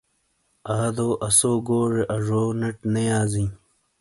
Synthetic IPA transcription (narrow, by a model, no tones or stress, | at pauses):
aːd̪oːʔɐsoːɡoːʐeʔɐʐoːnɐʈnɐjaːzĩː